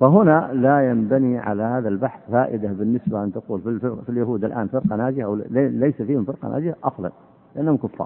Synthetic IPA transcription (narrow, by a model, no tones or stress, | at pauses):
faɦʊnalajambaniʕa̰lahaːðalbaħθfaːʔɪd̪abɪnːɪsbaʔɪnt̪aquːlfilɪɾfiljaɦuːd̪ɪlʔaːnfɪɾqɑnaːd͡ʒɪhawlajsafiːhɪmfɪɾqɑ̰na̰ːd͡ʒɪhaʔɑsˤlɑ̰n | lɪʔanːhʊmkʊfːɑ̰ɾ